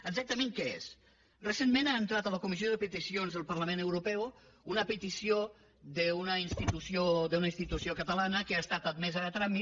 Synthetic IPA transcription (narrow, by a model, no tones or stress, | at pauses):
əɡzak̚t̪əmeŋkəḛs | rəsenmenaənt̪ɾat̪ələkumizijoðəpət̪isionzðəlˠpəɾləmenəwɾupɛw | unəpət̪isio | ðəunəinst̪it̪usiod̪əunəinst̪it̪usiokət̪əlanəkəast̪at̪əd̪mɛzəət̪ɾami